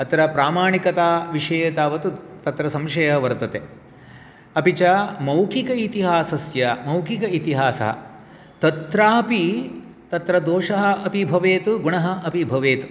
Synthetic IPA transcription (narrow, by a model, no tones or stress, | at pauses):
ɐt̪ɾɐpɾaːmaːɳikɐt̪aːʋiʂɐjɐt̪aːʋɐt̪ut̪ɐt̪ɾɐsɐmʃɐjɐɐʋɐɾt̪ɐt̪e | ɐpit͡ʃɐmɐwkʰikɐit̪iɦaːsɐsjɐmɐwkʰikɐit̪iɦaːsɐ̰ɦɐ̰ | t̪ɐt̪ɾaːpit̪ɐt̪ɾɐd̪oːʂɐɦɐ̆ɐpibʱɐʋeːt̪uɡuɳɐɦɐ̆ʔɐpibʱɐʋeːt̪u̥